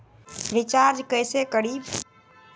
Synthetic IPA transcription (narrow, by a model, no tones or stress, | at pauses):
ɾit͡ʃaɾd͡ʒkəjsekəɽi